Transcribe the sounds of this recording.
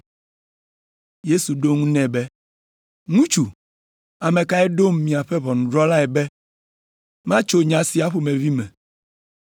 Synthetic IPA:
je˦su˨ɖo˦ŋũ˦nɛ̃˦bɛ˦ | ŋũ˦t͡ʃu˨ | a˨mẽ˨ka˦ɛ˦ɖo˦mːĩ˨a˨ɸɛ˦βɔ˨nũ˨dɾɔ˦la˦ɛ˨bɛ˦ | mã˦t͡ʃo˦ɲã˨si˨a˦ɸo˨mẽ˨vi˦mɛ̃˨

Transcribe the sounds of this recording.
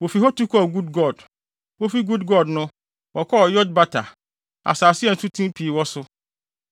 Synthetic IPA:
wo˨fi˨ɦɔ˦tu˦kʰɔ˨ɡu˦dɡɔ˨d | wo˦fi˦ɡu˦dɡɔ˦˨dnʊ̃˦ | wɔ˨kʰɔ˦ɔ˨jɔ˦d̚ba˦tʰa˨ | a̰˨saː˨sɪ˦ɛ˨n̩˨tʰu˦tʰĩ˦mpʰi˨wɔ˦sʊ˦

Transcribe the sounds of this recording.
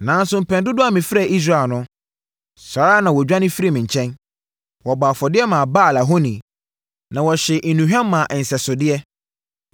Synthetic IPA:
nã˨˦n̩˦sʊ˨m̩˨pʰɛ̃˨ndʊ˦dʊ˦a˨mɪ̃˨fɾɛ˨ʔi˦s̬ɾa˦˨nʊ̃˦ | saː˨ɾa˦nã˨wɔ˨d͡ʑᶣã˦nɪ̃˦fi˦ɾi˦˨mɪ̃˨ɲ̩˨t͡ɕʰɛ̃˦n | wɔ˨baː˨fɔ˨dɪ˦ɛ˦mãː˨baː˦˨la˨ɦɔ˦nĩ˨ | nã˨wɔ˨ɕɛ˨ʔ̩˨nũ˨ɦᶣã˦mːã˨ʔɛ˨n̩˨sɛ˨sʊ˨dɪ˦ɛ˦

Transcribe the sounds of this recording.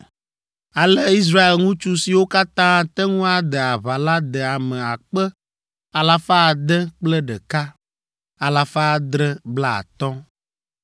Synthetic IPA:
a˨lɛ˦i˦s̬ɾa˦e˨lŋũ˦t͡ʃu˦si˨wo˦ka˦t̪ã˦t̪ɛ˦ŋũ˦a˨d̪ɛ˨a˨βa˨la˦d̪ɛ˨a˨mɛ̃˨a˨k͡pɛ˦ | a˨la˨fa˦˨d̪ɛ˦k͡plɛ˦ɖɛ˨ka˦ | a˨la˨fa˦˨d̪ɾɛ˦bla˦a̰˨t̪ɔ˦

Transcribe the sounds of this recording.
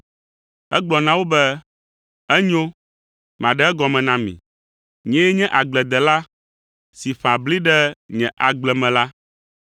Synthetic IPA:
ɛ˦ɡ͡blɔ˨nã˦wo˦bɛ˦ | ɛ˦ɲõ˦ | m˨ã˨ɖɛ˦ɛ˦ɡɔ˨mɛ̃˨nã˦mḭ̃˨ | ɲɛ̃˦jɛ˦ɲɛ̃˦ʔa˨ɡ͡blɛ˨d̪ɛ˨la˦ | si˨fã˨bli˦ɖɛ˦ɲɛ̃˨ʔa˨ɡ͡blɛ˨mɛ̃˨la˦

